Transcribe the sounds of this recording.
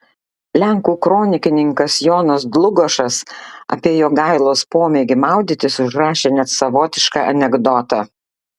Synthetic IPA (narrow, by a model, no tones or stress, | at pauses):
lʲæŋkuːkɾoːnʲɪkʲɪnʲɪŋkɐsjoːnɐsd̪lˠʊɡoːʃɐsɐ̰pʲiɛjoːɡɑˑɪlˠoːspoːmʲeːɡʲɪmɑˑʊd̪ʲɪt̪ʲɪsʊʒɾɑːʃʲeːnʲɛt̪sɐʋoːt̪ʲɪʃkɑʔɐ̰nʲɛɡd̪ɔt̪ɑ